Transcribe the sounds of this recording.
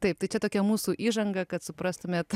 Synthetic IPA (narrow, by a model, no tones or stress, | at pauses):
t̪ɐɪpt̪ɐɪt͡ʃʲɛt̪oːkʲɛmuːsuːʔiːʒɐŋɡɐkɐt̪sʊpɾɐst̪ʊmʲeːt̪